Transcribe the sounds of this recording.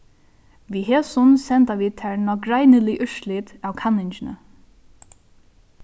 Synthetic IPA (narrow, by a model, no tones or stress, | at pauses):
ʋiːɦeːsʊnsɛnt̪aʋiːt̪ʰɛɹnɔkɾajnəlɪʔʏʂlɪt̪aːwkʰanːɪnt͡ʃɪnə̰